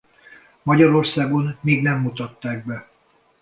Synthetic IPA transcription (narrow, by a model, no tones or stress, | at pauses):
mɒɟɒɾo̞rsaːɡonːiːɡnɛmːut̪ɒt̪ːaːɡ̚bɛ